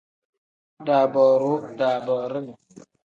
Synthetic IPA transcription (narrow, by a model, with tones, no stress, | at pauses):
da˨bɔ˨ɾu˨˦da˨bɔ˨ɾə˦ŋ˨